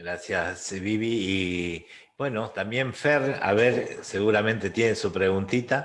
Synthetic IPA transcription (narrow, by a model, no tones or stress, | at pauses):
ɾasjasβiβiː | bwe̞not̪ambje̞ɱfeɾa̰βeɾse̞ɣuɾamẽ̞nt̪e̞t̪jenesupɾe̞ɣunt̪it̪a